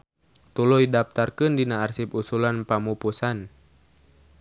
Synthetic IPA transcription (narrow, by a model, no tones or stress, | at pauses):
t̪ulujdap̚t̪arkɨndinaːrsipusulanpamupusan